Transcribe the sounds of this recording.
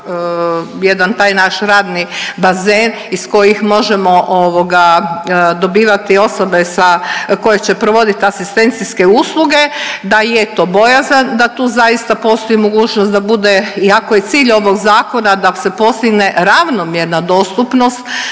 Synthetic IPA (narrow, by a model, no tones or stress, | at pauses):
jed̪ant̪aːjnaʃɾaːd̪nibazeːn | isko̞jixmo̞ʒemo̞ʔoʋoɡa | d̪o̞biːʋat̪io̞so̞be̞sako̞jet͡ɕe̞pɾoʋo̞d̪it̪asist̪e̞nt̪siske̞uːslˠuɡe̞d̪ajet̪o̞ːbo̞jazand̪at̪uːzajist̪apo̞ːst̪o̞imo̞ɡuːt͡ɕnost̪d̪abud̪e̞iakoje̞t̪siːʎo̞ʋo̞ɡzaːko̞nad̪ase̞po̞st̪iɡne̞ɾaʋno̞mjeɾnad̪o̞st̪upno̞st̪